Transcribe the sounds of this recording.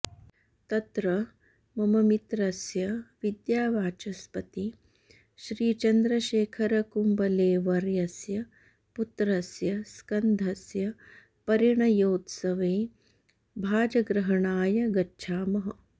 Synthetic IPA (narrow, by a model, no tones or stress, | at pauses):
t̪ɐt̪ɾɐ | mɐmɐmit̪ɾɐsjɐʋid̪jaːʋaːt͡ʃɐspɐt̪i | ʃɾiːt͡ʃɐnd̪ɾɐʃeːkʰɐɾɐkumbɐleːʋɐɾjɐsjɐ | put̪ɾɐsjɐskɐnd̪ʱɐsjɐ | pɐɾjɐɳɐjoːt̪sɐʋeː | bʱaːd͡ʒɐɡɾɐɦɐɳaːjɐɡɐtːʃʰaːmɐɦɐ̰